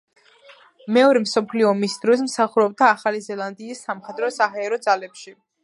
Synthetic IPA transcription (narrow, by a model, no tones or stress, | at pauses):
mɛɔɾɛmsɔpʰliɔːmisd̪̥ɾɔs̬msaχuɾɔb̚d̪aːχalizɛlˠand̪iːsːamχɛd̪ɾɔsaɦaɛɾɔd̪zalɛpʃi